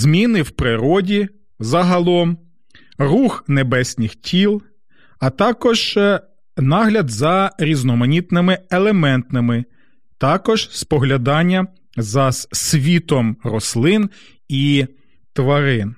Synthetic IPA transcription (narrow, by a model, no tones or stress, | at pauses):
zmʲinɪwpɾɪɾɔdʲi | zɐɦɐlˠɔm | ruxnebɛsʲnʲixtʲʰilˠ | ɐt̪ɑkɔʒ̥ | nɑɦlʲɐd̪zɐɾʲiznɔmɐnʲit̪nɪmɪelˠemɛnt̪nɪmɪ | t̪ɑkɔʒspɔɦlʲɐd̪ɑnʲːɐ | zɐssʲʋʲit̪ɔmrɔslˠɪn | i | t̪ʋɐɾɪn